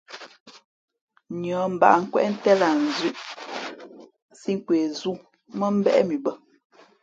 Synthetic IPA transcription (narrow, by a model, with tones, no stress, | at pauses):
ɲɔ˨˦m̩˨ba̰˨ŋ̩˨kwɛ̰˦ʔn̩˦tɛ˦la˨n̩˨zi˦˨ʔ | si˦ŋ̩˦kwe˨zu˦ | mə˦m̩˦bɛ̰˦ʔmi˨bə˦